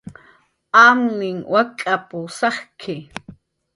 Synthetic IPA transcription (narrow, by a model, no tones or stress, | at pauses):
amnɪŋwakʼapʊsɑχkʰɪ